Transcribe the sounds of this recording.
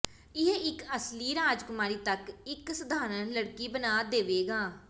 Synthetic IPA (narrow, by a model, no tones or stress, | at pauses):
ɪɦeɪkəsliːɾaːd͡ʒkʊmaːɾiːt̪əkɪksəd̪aːɾənləɽkiːbənaːd̪eːʋeːɡaː